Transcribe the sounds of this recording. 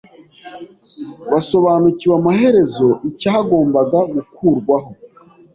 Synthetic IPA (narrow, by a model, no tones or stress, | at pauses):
βaso̞βaːnuciwamahe̞ɾe̞zo̞ʔicahaɡo̞ːmbaɡaɡukʰuːɾɡwaɦo̞